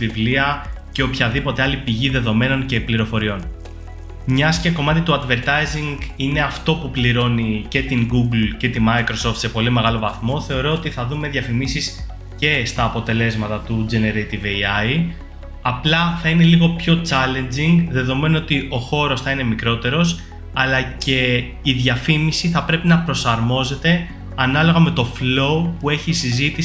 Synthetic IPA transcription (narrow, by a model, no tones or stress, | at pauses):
vivliɐ | ce̞o̞pçɐðipo̞t̪e̞ɐlipiʝiðe̞ðo̞me̞no̞ɲce̞pliɾo̞fo̞ɾio̞n | mɲɐsceko̞mɐt̪it̪uɐd̪ve̞ɾt̪ɐjziŋɡine̞ɐft̪o̞pupliɾo̞nice̞t̪iŋɡuɡlce̞t̪imɐjkɾo̞so̞ft̪se̞po̞lime̞ɣɐlo̞vɐθmo̞θe̞oɾo̞ot̪iθɐðume̞ðʝɐfimisis | ce̞st̪ɐːpo̞t̪e̞le̞zmɐt̪ɐt̪ud͡ʒeneɾejt̪iveɐi | ɐplɐθɐine̞liɣo̞pço̞t͡sɐle̞nd͡ziŋɡðe̞ðo̞me̞noot̪iʔo̞xo̞ɾo̞sθɐine̞mikɾo̞t̪e̞ɾo̞s | ɐlɐce̞ | iðʝɐfimisiθɐpɾe̞pinɐpɾo̞sɐɾmo̞ze̞t̪e̞ | ɐnɐlo̞ɣɐme̞t̪o̞flo̞upue̞çisizit̪i